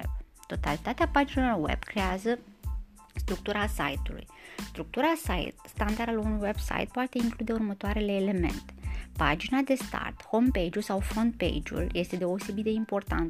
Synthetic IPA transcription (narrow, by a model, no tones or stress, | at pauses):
ebt̪o̞t̪alit̪at̪eapad͡ʒinelorwe̞̰bkɾe̞azə | st̪ɾuk̚t̪uɾasa̰jt̪ulṵjst̪ɾuk̚t̪uɾasa̰jt̪st̪and̪aɾalunujwe̞bsa̰jt̪̚poat̪e̞iŋklud̪e̞urmət̪oaɾe̞le̞ːle̞me̞̰nt̪e̥pa̰d͡ʒinad̪e̞st̪a̰rt̪hompejd͡ʒulsawfond̪̚pḛjd͡ʒṵlje̞st̪e̞d̪e̞o̞se̞bit̪̚d̪e̞impo̞rt̪a̰nt̪